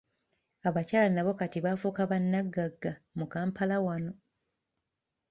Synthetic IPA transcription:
aβacaːlanaβo̞katiβafukaβanːaɡːaɡːamukaːmpʰalawano̞

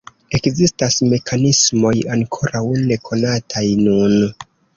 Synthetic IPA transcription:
e̞kzistasme̞kʰanismo̞jaŋkʰo̞ɾawne̞kʰo̞natʰajnun

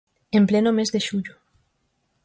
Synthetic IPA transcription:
emplenomezðeʃuʎʊ

